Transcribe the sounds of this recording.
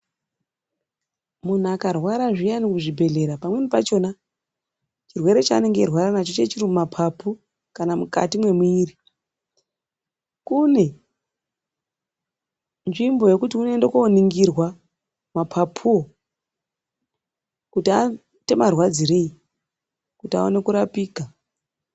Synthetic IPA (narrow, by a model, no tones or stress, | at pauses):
mun̤uakarwaɾaʐijanikuʐibʱe̞ɮe̞ɾapamwe̞nipat͡ʃo̞na | t͡ʃirwe̞ɾe̞t͡ʃaːne̞ŋɡerwaɾanat͡ʃot͡ʃe̞t͡ʃirimumapʰapʰu | kanamuka̰timwe̞muiːri | kune̞ | nʐimbo̞je̞kutiune̞ndekoniŋɡirwa | mapʰapʰuo | kutia | te̞marwad͡zire̞i | kutia̰one̞kuɾapiːka